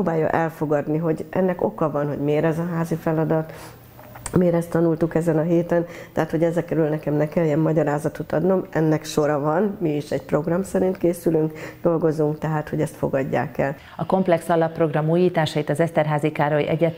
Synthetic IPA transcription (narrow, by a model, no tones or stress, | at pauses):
oːbaːjːɒ̰ʔɛlfo̞ɡɒd̪niɦo̞ɟʔɛ̰nːɛko̞̰kɒvɒnɦo̞̰ɟmeːɾɛzɒɦaːzifɛlɒd̪ɒt̪ | meːɾɛst̪ɒnult̪ukɛzɛnɒɦeːt̪ɛnt̪ɛɦaːt̪ho̞ɟɛzɛkɛɾylnɛkɛmnɛkɛljɛmːɒɟɒɾaːzɒt̪ot̪ɒd̪no̞mʔɛnːɛkʃo̞ɾɒvɒnmiiʃɛɟ̚pro̞ɡrɒmsɛɾint̪keːsylyŋkd̪̥o̞lɡo̞zuŋkt̪ɛɦaːt̪ho̞ɟɛst̪fo̞̰ɡɒɟːa̰ːkɛl | ɒko̞mplɛksɒlɒpːro̞ɡrɒmuːjiːt̪aːʃɒit̪ɒzɛst̪ɛrɦaːzikaːɾojḭʔɛɟɛt̪